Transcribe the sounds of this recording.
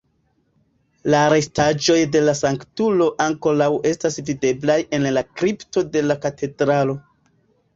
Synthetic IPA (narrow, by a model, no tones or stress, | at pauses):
laːɾe̞stad͡ʒo̞jde̞lasaŋktulo̞ʔaŋko̞lawʔe̞stasvide̞blaje̞nlakɾipto̞de̞lakatʰe̞dɾalo̞